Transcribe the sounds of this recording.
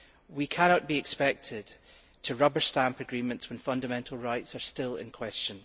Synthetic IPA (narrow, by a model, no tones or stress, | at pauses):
wikʰanɔʔb̥iɪkspɛk̚tʰɪd̥ | tʰəɹʌbə˞stãmpəɡɹimə̃ntswə̃nfʌ̃ndəmɛ̃nʔl̩ˠɹaɪtsə˞stɪlˠɪ̰̃nkʰw̥ɛst͡ʃə̃n